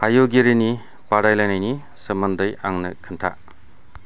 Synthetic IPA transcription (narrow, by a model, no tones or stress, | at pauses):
ajoɡiɾini | kaɾajlajnajni | sɐmɐndɐja̰ŋnɐkʰɯntʰa̰